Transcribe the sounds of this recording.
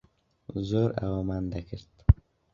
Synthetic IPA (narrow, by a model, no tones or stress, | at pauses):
zoɾa̰wamand̪akʰəɾt̪